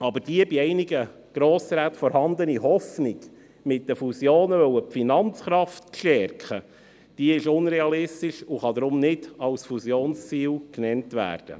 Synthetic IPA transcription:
ɑbəd̥iəbiɛɪniɡə | ɡ̥ɾoːsɾæːt̪fɔɾhɑnd̪əniɦɔfniɡ̥ | mɪt̚d̥əfusjoːnəvœwəpfinɑnt͡sχɾɑft̪kʃtɛɾkχə | d̥iəɪʃʊnɾɛɑlɪstɪʃʊχɑd̪ɾʊmnɪdɑlsfusjoːnst͡siːlknɛntʋæ̰ːrd̥ə̰

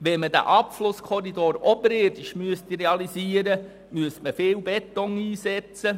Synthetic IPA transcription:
ʋɛnməd̥æ̰ʔɑpflʊskʰɔɾidoːɾɔbəɾɪrd̥ɪʃmyəst̪iɾɛɑliziːəɾə | myəstməfɪːlbɛt̪ːɔŋiːsɛt͡sə

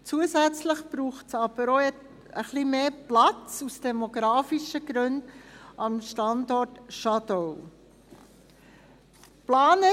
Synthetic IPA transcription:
t͡suəzæt͡sləχb̥ɾuːχtsɑb̥əɾo | əχlimeːplɑt͡susd̥ɛmoɡɾɑːfiʃəɡ̥ɾʉndɑmʃtɑndɔrtʃɑdɔw | plaːnə

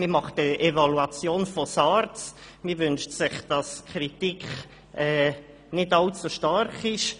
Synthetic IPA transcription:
məmɑχtəevaluat͡sjoːnfɔsɑɾt͡smivʏnʃtsɪχd̥ɑskʰɾitikχ | ɛː | nɪdɑlt͡suʃtɑɾχɪʃ

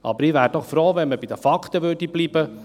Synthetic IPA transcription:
ʔɑ̰bəɾiːʋæːɾd̥ɔχfɾoːvɛnməb̥id̥̪əfɑkt̪əʋøːɾdibliːb̥ə

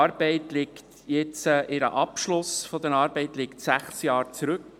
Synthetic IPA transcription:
ɑɾb̥ɛɪtlɪkt | jɛt͡səʔɪɾə̰ʔɑpʃlʊsfɔd̪əɾɑːɾbɛɪtlɪktsæχsjɑːɾt͡sɾʉk

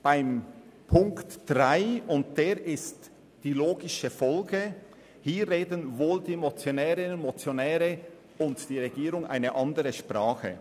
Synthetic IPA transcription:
b̥aɪmpʰʊŋktd̥ʁaɪʊnt̚d̥eːɾɪst | d̥iːloːɡɪʃəfɔlɡə | hiːɾːeːdənvoːldiːmot͡sjonɛːʁɪnnmot͡sjonɛːʁə | ʊntd̥iːʁeɡiːɾʊŋʔa̰ɪnəʔɑndəʁəʃpʁ̥aːχə̰

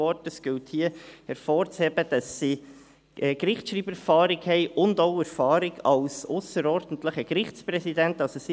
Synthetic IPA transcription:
ɔɾtəsɡ̥ɪlthiəhɛɾfoːɾt͡shɛb̥əd̥ɑsːi | ʔɛːkɾɪχt͡sʃɾiːbɛɾfɑːɾɪkhɛɪʔʊndoʊɛɾfɑːɾɪɡɑlsʊsəɾɔɾd̥n̩tləχəkɾɪχt͡spɾɛsidæntɑlsosi

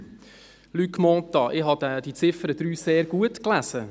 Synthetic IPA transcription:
lykmɔ̃ːt̪ɑʔɪɦɑd̥̪ɛd̥it͡sɪfəɾəd̥̪ɾyːseːɾɡ̥uətklæsə

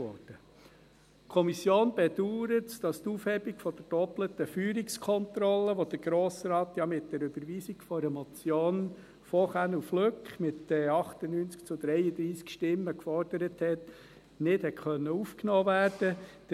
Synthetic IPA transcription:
ɔ̰d̥ə | kʰɔmisjoːnb̥ɛd̪uːɾətd̥ɑst̪uːfhɛbiɡfɔd̪̥əd̥ɔplət̪əfyːɾikskʰɔnt̪ɾɔlːəʋod̥̪əɡ̥ɾoːsɾɑːt̪jɑmɪt̚d̥ɛɾʉbəɾʋiːsiɡfɔɾəmɔt͡sjoːn | fɔχænufløkχmɪt̪ɛɑχt̪ənyːnt͡skt͡sʊd̪ɾɛjəd̪ɾiːskʃtɪmːəkfɔɾd̥əɾəthɛt̪ | nɪdhɛtχœnːəufknoːʋæːɾd̥ə̥

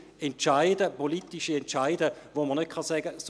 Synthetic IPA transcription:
ɛnt͡ʃaɪdəpolitiʃiɛntt͡ʃaɪdəʋomənøt̚kʰχɑsɛɡəs

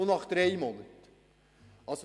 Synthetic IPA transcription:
nɑχd̪̥ɾejmɔnət | ʔɑso

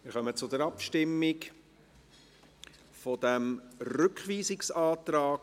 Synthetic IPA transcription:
mɪɾχœmət͡sʊd̪əɾɑpʃtɪmːɪk | fɔd̪æmrʏkχʋiːzɪksɑːt̪ɾaːk

